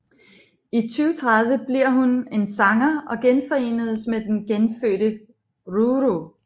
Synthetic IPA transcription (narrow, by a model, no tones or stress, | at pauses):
it͡sʰyːʊt͡sʰʁäð̞ˠʋəb̥liɐ̰ɦune̝nsɑ̈ŋɐʔɒ̽ɡ̥enfɒ̽e̝̰ːnəð̞ˠəsmed̥enɡ̥enfø̰ːɾ̥ə | ʁuʁo